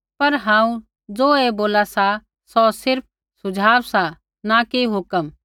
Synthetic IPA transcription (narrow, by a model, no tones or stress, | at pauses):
pɐɾɦãːũ | d͡zoːeboːlasa | sɔsɪɾp̚ʰ | sʊd͡ʒʱaːʋsa | nakeɦʊkəm